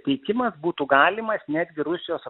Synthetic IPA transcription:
t̪ʲɛɪkʲɪmɐsbuːt̪uɡɑːlʲɪmɐsnʲæːd̪ʲɡʲɪɾʊsʲɪjoːs

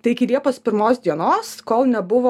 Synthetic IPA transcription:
t̪ɐɪɪkʲɪlʲiɛpoːspʲɪɾmoːsd̪ʲiɛnoːskoːlˠnʲɛbʊʋoː

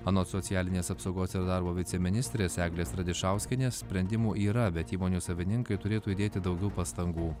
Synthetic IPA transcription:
ɑːnoːsɔt̪ʲɪjæːlʲɪnʲeːsɐpsɒʊɡoːsɪɾd̪ɑɾboːʋʲɪt̪sʲɛmʲɪnʲɪsʲt̪ʲɾʲeːsæːɡlʲeːsɾɐd̪ʲɪʃɑˑʊsʲkʲɪnʲeːssʲpʲɾʲɛnʲd̪ʲɪmuːʔiːɾɐbʲɛt̪iːmoːnʲuːsɐʋʲɪnʲɪŋkɐɪt̪ʊɾʲeːt̪uːiːd̪ʲeːt̪ʲɪd̪ɒʊɡʲɛʊpɐst̪ɐŋɡuː

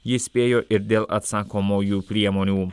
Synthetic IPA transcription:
jispejoʔiɾd̪ɛla̰t̪sakomojupɾiamonjum

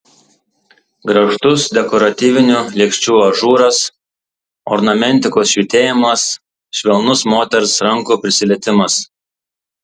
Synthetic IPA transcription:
ɡɾɐʃt̪ʊsd̪ʲɛkɔɾɐt̪ʲiːʋʲɪnʲuːlʲiɛksʲt͡ʃʲuːɐʒuːɾɐs | ɔ̰ɾnɐmʲɛnʲˑt̪ʲɪkoːsʃʲʋʲiːt̪ʲeːjɪmɐs | ʃʲʋʲɛlˠnʊsmoːt̪ʲɛɾʊsɾɐŋkuːpʲɾʲɪsʲɪlʲɛːt̪ʲɪmɐs

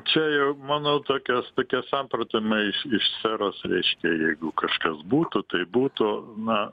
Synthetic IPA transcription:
t͡ʃʲɛjɛʊmɑːnoːt̪oːkʲɛst̪oːkʲɛsɑmprɐt̪ʲɪmɐɪʃɪʃsʲæɾoːsrʲɛɪʃʲkʲɛjɛɪɡʊkɐʃkɐsbuːt̪ʊt̪ɐɪbuːt̪ʊnɐ

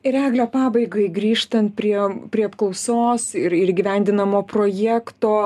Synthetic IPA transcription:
ɪɾæːɡlʲoːpɑːbɐɪɡɐɪɡɾʲiːʃt̪ɐnt̪̚pʲɾʲiɛpʲɾʲiɛɐpklˠɐʊsoːsɪɾɪɾɪɡʲɪʋʲɛˑnʲd̪ʲɪnɐmoːpɾoːjæːkt̪oː

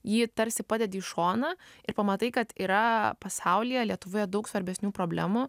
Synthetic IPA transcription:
jiːt̪ɐɾʲsʲɪpɑːd̪ʲɛd̪ʲɪːʃoːnɐɪɾpɐmɐt̪ɐɪkɐt̪iːɾɐpɐsɐʊlʲɪjɛlʲiɛt̪ʊʋoːjɛd̪ɐʊksʋɐɾʲbʲɛsʲnʲuːpɾoːbʲlʲæːmʊ

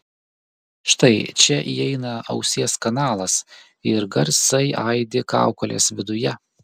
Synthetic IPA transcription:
ʃt̪ɐɪt͡ʃʲɛʔiːɛɪnɐɐʊsʲiːskɐnɑːlˠɐs | ɪɾɡɐɾʲsɐɪʔɐɪd̪ʲɪkɑ̰ˑʊkɔlʲḛːsʋʲɪd̪ʊjɛ

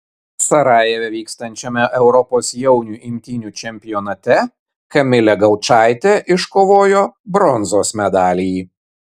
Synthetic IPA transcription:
sɐɾɑːjɛʋʲɛʋʲiːkst̪ɐnʲt͡ʃʲɛmʲɛʔɛʊɾɔpoːsjɛʊnʲuːʔɪmʲt̪ʲɪnʲuːt͡ʃʲɛmʲpʲɪjɔnɐt̪ʲɛ | kɐmʲɪlʲɛɡɐʊt͡ʃɑˑɪt̪ʲeʔɪʃkoːʋoːjobɾɔnzoːsmʲɛd̪ɑːlʲijiː

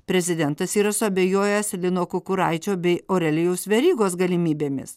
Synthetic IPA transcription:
pʲɾʲɛzʲɪd̪ʲɛnt̪ɐsiːɾɐsʊɐbʲeːjoːjɛslʲɪnoːkʊkʊɾɑɪt͡ʃʲoːbʲɛɪoːɾʲɛlʲɪjɛʊsʋʲɛɾʲiːɡoːsɡɐlʲɪmʲiːbʲeːmʲɪ̰s

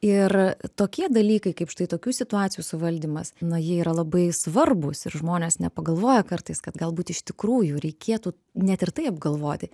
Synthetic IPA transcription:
ɪrt̪oːkʲiɛd̪ɐlʲiːkɐɪkɐɪpʃt̪ɐɪt̪oːkʲuːsʲɪt̪ʊɑːt̪ʲt͡sʲsʲɪjuːsʊʋɐlʲd̪ʲiːmɐsnɐjiɛiːɾɐlˠɐbɐɪsʋɐrbʊsɪɾʒmoːnʲeɛːsnʲɛpɐɡɐlˠʋoːjɛkɐrt̪ɐɪskɐt̪ɡɐlˠbuːt̪ɪʃt̪ʲɪkɾuːjuːɾʲɛɪkʲeɛt̪uː | nʲɛt̪ʲɪrt̪ɐɪɐbɡɐlˠʋoːt̪ʲɪ

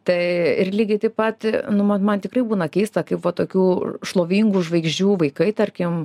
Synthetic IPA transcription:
t̪ɐɪɪrlʲiːɡʲɪt̪ɐɪpɐt̪nʊmɐnmɐnt̪ʲɪkrɐɪbuːnɐkʲɛɪst̪ɐkɐɪpʋɐt̪oːkʲuːʃlˠoːʋʲiŋɡuʒʋɐɪɡʒʲd͡ʒʲuːʋɐɪkɐɪt̪ɐrʲkʲɪm

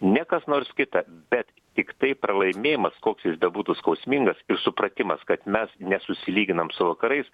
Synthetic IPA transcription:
nʲɛkɐsnoːɾskʲɪt̪ɐb̥ʲɛt̪ | t̪ʲɪkt̪ɐɪpɾɐlˠɐɪmʲeːjɪmɐskoːksjɪsbʲɛbuːt̪ʊskɐʊsʲmʲiŋɡɐsɪrsʊpɾɐt̪ʲɪmɐskɐt̪mʲɛsnʲɛsʊsʲɪlʲiːɡʲɪnɐmsʊʋɐkɐɾɐɪs

